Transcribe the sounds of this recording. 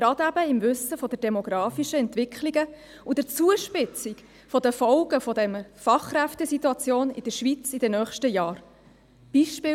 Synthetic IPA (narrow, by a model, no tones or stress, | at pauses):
ɡɾɑd̪æb̥əɪmvʏsəfɔd̥əɾd̥ɛmɔɡɾɑːfiʃəɛntvɪkʰliɡə | ud̥ət͡suəʃpɪt͡sik | fɔdəfɔʊɡəfɔdɛnəfɑχkræftɛsit̪ːuɑt͡sjoːnɪ̰d̥əʃʋit͡sid̥ɛnœːχʃtəjɑːɾ | b̥iʃpɪː